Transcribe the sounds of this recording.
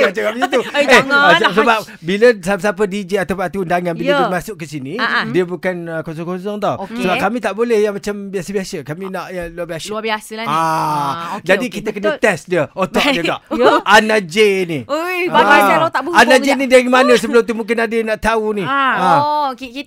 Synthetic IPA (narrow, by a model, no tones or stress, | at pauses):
ad͡ʒaɡapt̪uessəbap̚ | biləsap̬əsap̬ədid͡ʒeat̪awpːuat̪uundaŋãnbilaimasʊʔ̚kːəsinĩdiəbukanəkons̬ɔŋkɔnsɔŋt̪awsəbapkamĩt̪aʔbolɛhjaŋmat͡ʃambiasəbiasəkamĩnaʔjalubiasabasa | d͡ʒadikit̪akənət̪ɛsdiəot̪ɔd͡ʒəɡaʔʔanad͡ʒeni | aaɔt̪abəanad͡ʒenidaɾimanə̃səbəlʊmt̪̬umũŋk̬ɪnadənãʔt̪auniak